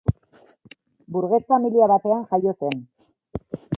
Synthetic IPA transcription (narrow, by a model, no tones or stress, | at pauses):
buɾɣe̞sfamiliaβat̪e̞anxajo̞se̞n